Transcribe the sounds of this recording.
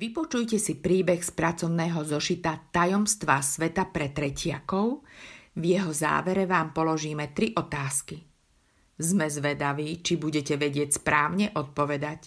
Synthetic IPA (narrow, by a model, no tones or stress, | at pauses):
ʋipɔt͡ʃujcɛsipɾiːbɛxspɾat͡sɔʊnɛːɦɔzɔʃit̪at̪ajɔmst̪ʋasʋɛt̪apɾɛt̪ɾɛcɪakɔʊvjɛɦɔza̰ːʋɛɾɛʋaːmpɔlɔʒiːmɛt̪ɾiʔɔt̪aːski | zmɛzʋɛd̪aʋiːt͡ʃibuɟɛcɛʋɛɟɪɛcspɾaːʊɲɛʔɔt̪̚pɔʋɛd̪ac